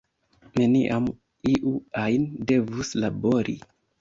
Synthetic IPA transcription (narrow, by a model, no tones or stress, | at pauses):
ne̞niʔam | iʔuajnde̞vuslaboɾḭ